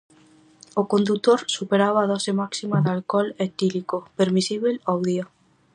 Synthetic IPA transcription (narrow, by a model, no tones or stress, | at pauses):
okond̪ut̪oɾsupeɾaβaːð̞ɔsemaksimaðalkɔlet̪ilikopeɾmisiβelawðia